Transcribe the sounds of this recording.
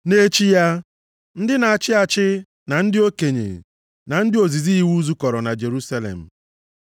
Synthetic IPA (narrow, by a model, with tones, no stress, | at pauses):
ne˦t͡ʃi˦ja˦ | n̩˦dɪ˦na˨a˨t͡ʃɪ˦a˨t͡ʃɪ˦ | na˨n̩˦dɪ˦o˦ke˨ɲḛ˨ | na˨n̩˦dɪ˦o˨zi˨zi˦i˦wu˦zu˦kɔ˨ɾɔ˨na˨d͡ʒe˨ɾu˦sa˦lḛ˨m̩˨